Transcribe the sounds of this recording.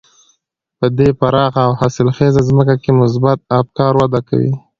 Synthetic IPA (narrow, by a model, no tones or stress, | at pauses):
pəd̪epaɾɑxaːwhasɪlxezazməkakemʊs̬bat̪̚afkɑɾwad̪aka̰wḭ